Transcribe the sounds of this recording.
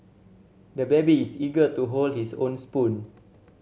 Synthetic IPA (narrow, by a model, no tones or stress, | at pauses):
dəbɛbiːsiɡətuɦoldhisõnspũn